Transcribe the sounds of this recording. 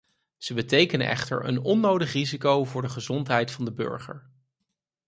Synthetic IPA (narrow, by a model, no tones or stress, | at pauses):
z̥əbətejkənə̰ʔɛ̰χtə̰ɹə̰nɔnːowdəχrizikowvʊːɹdəχəzɔntɦɛjtfɑndəbɵ̰ɹχə̰ɹ